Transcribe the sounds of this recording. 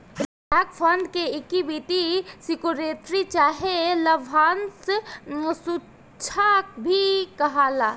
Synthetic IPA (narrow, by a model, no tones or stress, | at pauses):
aːkfʰənd̪keɪkibit̪isɪkuɾeːt̪ɾit͡ʃaːɦelɐʋʱaːns | su | t͡ʃʰakbʱikɐɦaːlaː